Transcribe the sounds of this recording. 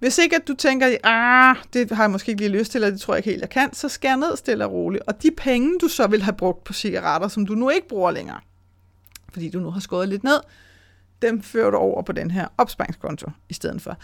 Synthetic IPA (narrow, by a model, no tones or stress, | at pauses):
ʋe̝se̝ɡ̥æd̥ut͡sʰeŋ̰ɡ̥ɐʔad̥e̝ɦɑ̈jɑmɒ̽sɡ̥e̝eɡ̥liːløst͡sʰe̝lɐd̥e̝t͡sʰo̝ɐ̰je̥he̝ːljɑ̈ɪkʰæn̰sɒ̽sɡ̥æɐɐne̝ð̞̰ˠɐsd̥e̝l̥ɑʁoːliʔɒ̽d̥ipʰeŋəd̥usɒ̽ʋe̝lɦæb̥ʁɔ̽ɡ̥̚d̥̚pʰɒ̽siɡ̥æʁɑɾ̥ɐsɒ̽md̥unue̝ɡ̥əb̥ʁuːɐleŋɐ̰ː | fɒd̥ḭːd̥unuɦɑ̈sɡ̥ɔːð̩ˠle̝d̥ne̝ð̞̰ˠ | d̥emføɐ̰ɾ̥uɒʊ̰ɐpʰɒ̽d̥enɦeɐ̰ɒ̽b̥sb̥ɑn̰ŋskʰɒ̽nt͡sʰo̝isd̥eð̞̰ˠn̩fɒ̽